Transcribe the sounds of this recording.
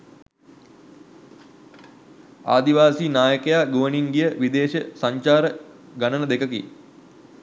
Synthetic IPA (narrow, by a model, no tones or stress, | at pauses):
a̰ːd̪iʋaːsiːnaːjəkəjaːɡoʋəniŋɡijəʋid̪eːɕəsaɲt͡ʃaːɾə | ɡanənəd̪ekəkḭ